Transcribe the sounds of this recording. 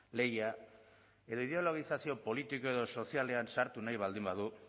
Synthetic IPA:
le̞ɣia | e̞ðo̞ið̞e̞o̞lo̞ɣ̞isasio̞po̞lit̪iko̞e̞ðo̞so̞siale̞ansaɾt̪unajβald̪imbaðu

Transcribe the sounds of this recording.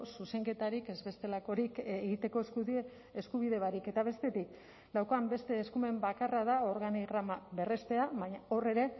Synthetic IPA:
suse̞ŋke̞t̪aɾike̞zβe̞st̪e̞lakoɾikeɣit̪e̞ko̞ | eskuβ̞iðe̞βaɾike̞t̪aβ̞e̞st̪e̞t̪ik | d̪awko̞ambe̞st̪e̞ːskume̞mbakarað̞ao̞ɾɣaniɣɾamaβe̞re̞st̪e̞aβaɲao̞re̞ɾe̞

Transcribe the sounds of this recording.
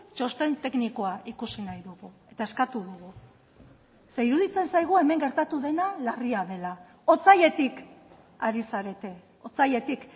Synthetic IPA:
t͡ʃo̞st̪e̞nt̪e̞kniko̞aʔikusinajðuɣue̞t̪ae̞skat̪uðuɣ̞u | seiɾuðit͡se̞nsajɣ̞ue̞me̞ŋɡe̞ɾt̪at̪uðe̞nalariaðe̞la | o̞t͡saje̞t̪ik | aɾisaɾe̞t̪e̞ | o̞t͡saje̞t̪ik

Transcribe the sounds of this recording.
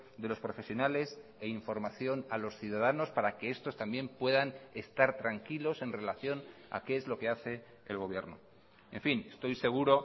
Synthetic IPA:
d̪e̞lo̞spɾo̞fe̞sjo̞nale̞seiɱfo̞ɾmaθjo̞nalo̞sθjuðað̞ano̞spaɾake̞e̞st̪o̞st̪ambje̞mpwe̞ðane̞st̪aɾt̪ɾaŋkilo̞se̞nre̞laθjo̞n | a̰keezlo̞ke̞aθe̞ | ḛlɣ̞o̞β̞jeɾno̰ | e̞ɱfine̞st̪o̞jse̞ɣ̞uɾo̞

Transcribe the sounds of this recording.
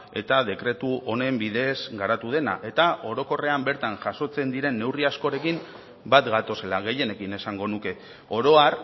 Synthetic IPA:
e̞t̪að̞e̞kɾe̞t̪uo̞ne̞mbiðe̞sɡaɾat̪uð̞e̞na̰ʔe̞t̪ao̞ɾo̞ko̞re̞ambe̞ɾt̪aŋʝaso̞t͡se̞nd̪iɾe̞nːe̞wriasko̞ɾe̞kim | bat̪ɡat̪o̞se̞laɣ̞e̞je̞ne̞kine̞saŋɡo̞nuke̞ | o̞ɾo̞aɾ

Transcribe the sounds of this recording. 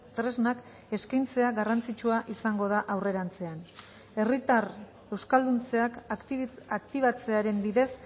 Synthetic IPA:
t̪ɾe̞znak | e̞skajnt͡se̞aɡarant͡sit͡ʃuaʔisaŋɡo̞ð̞aʔawre̞ɾant͡se̞an | e̞rit̪ar | e̞wskald̪unt͡se̞ak | akt̪iβat͡se̞aɾe̞mbiðe̞s

